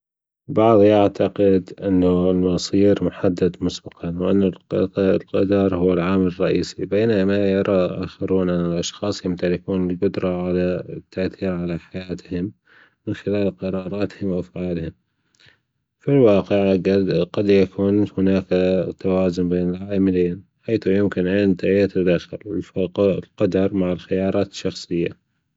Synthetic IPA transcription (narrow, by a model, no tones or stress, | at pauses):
bɑʕðˤʔaʕt̪ʰaqɪd̪ʔɪnːalmɑsˤiːɾmʊħad̪ːad̪mʊsbɑqʰɑnwʔanːalqɑd̪ɑɾˤhʊwːalʕaːmɪrˤːɑʔiːsibeːnamajɑɾˤɑʔa̰ːxɑɾuːnʔɪnːalʔɑʃxɑːsˤjɪmt̪alɪakuːnɪlɡʊd̪ɾˤɑʕalat̪ːaʔθiːɾʕalaħajaːt̪hɪm | mɪnxɪlaːlqɑɾˤɑːɾˤɑːt̪hɪmwʔafʕaːlhɪm | filwɑːqɪʕɡad̪ɡɑd̪jakʰuːnhʊnaːkt̪ːawaːzʊnbeːnɪlʕaːmɪleːnħaːθjɪmkɪnʔɪnt̪ajat̪ad̪aːxɪ̰l | lqɑd̪ɑɾˤmaʕɪlxɪjɑːɾˤɑːt̪ɪ̥ʃːɑxsˤɨjːa̰